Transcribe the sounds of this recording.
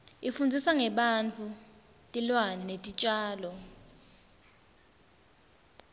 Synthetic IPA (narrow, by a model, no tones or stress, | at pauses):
ifund͡zʱisaŋɛɓant͡fʰu | tʼilwaninetʼit͡ʃʼaːlɔ